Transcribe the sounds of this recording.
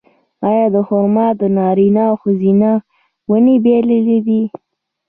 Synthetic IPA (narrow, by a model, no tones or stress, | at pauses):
ɑjɑd̪əhʊɾmɑd̪ənɑɾinɑxʊzina | wənibeleled̪i